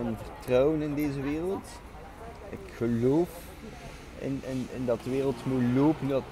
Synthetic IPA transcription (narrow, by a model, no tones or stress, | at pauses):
ənvərtrawənɪndejzəʋɪːrəlˠt | ɪkχəloːf | ɪ̰nɛnɛndɑtəʋɪːrəlˠtmuloːpəndɑt